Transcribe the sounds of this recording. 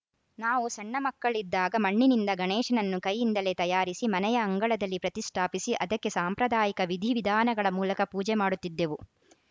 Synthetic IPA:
naːʋusɐɳːɐmɐkːɐɭid̪ːaːɡɐmɐɳːinind̪ɐɡɐɳɛːʂɐnɐnːukɐjːind̪ɐle̞t̪ɐjaːɾisimɐnɛjɐːŋɡɐɭɐd̪ɐlːipɾɐt̪iʂʈʰaːpisiʔɐd̪ɐkːe̞saːmpɾɐd̪aːjikɐʋid̪ʱiʋid̪ʱaːnɐɡɐɭɐmuːlɐkɐpuːd͡ʒɛmaːɽut̪ːid̪ːe̞ʋu

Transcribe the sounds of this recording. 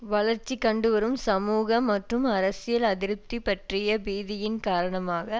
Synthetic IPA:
ʋɐɭɐɾt͡ʃːikːɐɳɖɯʋɐɾɯmsɐmuːɣɐmːɐʈrɯmɐɾɐsɪjɐlɐðɪɾɯp̚t̪ːipːɐʈrɪjɐbiːðɪjɪnkaːɾɐɳɐmaːɣɐ

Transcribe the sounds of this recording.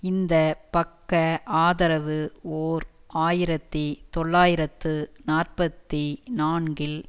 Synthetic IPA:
ɪnd̪ɐpɐkːɐaːðɐɾɐʋɯoːɾ | aːjɪɾɐt̪ːit̪ɔɭːaːjɪɾɐt̪ːɯnaːrpɐt̪ːinaːɳɡɪl

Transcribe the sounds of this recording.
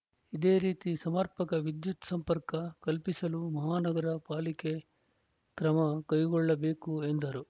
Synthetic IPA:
id̪e̞ːɾiːt̪isɐmɐɾpɐkɐʋid̪jut̪sɐmpɐɾkɐkɐlpisɐlumɐɦaːnɐɡɐɾɐpaːlike̞ | kɾɐmɐkɐjɡɔɭːɐbe̞ːkuend̪ɐɾu

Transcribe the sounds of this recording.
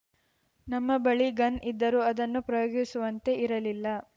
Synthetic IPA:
nɐmːɐbɐɭiɡɐnid̪ːɐɾuːɐd̪ɐnːupɾɐjoːɡisuʋɐnt̪e̞iɾɐlilːɐ

